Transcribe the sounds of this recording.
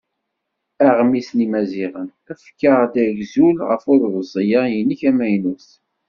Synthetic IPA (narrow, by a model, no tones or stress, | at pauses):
æʁmisnimæziʁən | æfkːəʁd̪æʝzulʁə̰fʊɾvəzˤijajəniçæmæjnus